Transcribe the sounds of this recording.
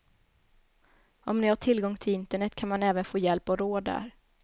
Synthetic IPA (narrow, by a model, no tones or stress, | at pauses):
ʔɔmnɪhaʈʰɪlɡɔŋːt̪ʰɪlɪnt̪əɳɛt̪ːkʰanmanɛːvənfoːjɛlpɔɾoːd̪æ̰ːɾ